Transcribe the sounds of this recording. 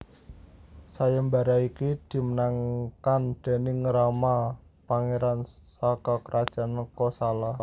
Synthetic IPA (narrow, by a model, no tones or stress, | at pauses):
sajambaɾaikid̪̥i̤mənaŋkand̪̥e̤nɪŋəɾamapaŋeɾansakakəɾʔad̥ʒ̥a̤nəkɔsalah